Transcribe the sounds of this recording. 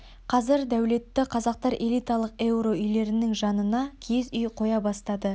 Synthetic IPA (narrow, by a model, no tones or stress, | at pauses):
qʰɑzɪɾd̪æwle̞t̪ːɪqʰɑzɑq̚t̪ɑɾʔe̞lʲˠijt̪ɑlˠəqe̞wɾo̞ʏjle̞ɾɪnɪŋʒɑnənɑkʲʰe̞zʏjqʰo̞jɑbɑst̪ɑd̪ə